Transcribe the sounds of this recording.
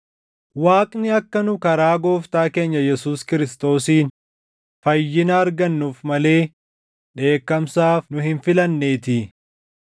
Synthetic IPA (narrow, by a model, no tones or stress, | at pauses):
waːkʼnɪɐkːɐnʊkɐɾaːɡo̞ːft̪aːke̞ːɲːɐjɛsuːskɪɾɪst̪o̞ːsiːn | fɐjːɪnɐːɾɡɐnːuːfmɐle̞ː | ᶑe̞ːkːɐmsaːfnʊhɪnfɪlɐnːe̞ːt̪ɪ